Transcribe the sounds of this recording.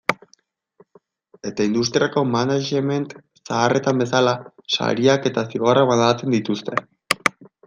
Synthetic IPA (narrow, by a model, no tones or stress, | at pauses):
e̞t̪aind̪ust̪ɾiako̞manaʒeme̞nt̪ | saːre̞t̪ambe̞s̬alasa̰ɾiake̞t̪asiɣoraβand̪at͡se̞nd̪it̪ust̪e̞